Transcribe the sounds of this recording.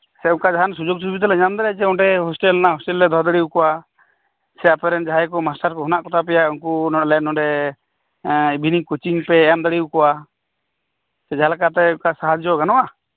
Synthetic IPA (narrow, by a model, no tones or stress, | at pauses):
sɛũŋkad͡ʒaɦansud͡ʒoɡ̚t͡ʃubit̪̬ɛlɛɲamd̪aɾɛd͡ʒɛɔʈɛɦɔsʈɛlnaɦɔsʈɛlɾɛd̪ʱɔɾd̪ɔɽiukɔwa | sɛapɛɾɛnd͡ʒaɦajkɔmasʈaɾkɔɦɔnaʔkɔt̪ʰap̬ɛjaunkunɔlɛnɔɖɛ | ibʱinikut͡ʃiŋpɛːjamd̪aɽiwkɔwa | sɛd͡ʒaalakat̪ɛũkasaɦad͡ʒd͡ʒɔɡanɔʔa